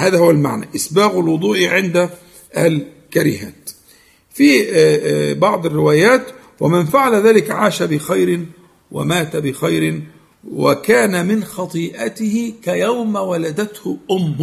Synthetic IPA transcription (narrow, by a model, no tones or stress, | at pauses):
haːðahʊwːalma̰ʕna̰ʔɪsbaːɣalwʊd̪ˤuːʔʕɪnd̪a | ʔal | kaɾɪ̰ha̰ːt̪ | fi | bɑʕd̪ˤɪrːɪwaːjaːt̪ | wamɪnfaʕalaðaːlɪkʕaːʃabɪxajɾɪn | wa̰maːt̪abɪxajɾɪn | wa̰kaːnamɪnxɑt̪ˤiːʔat̪ɪhɪkajawmawalad̪at̪hʊʔʊmː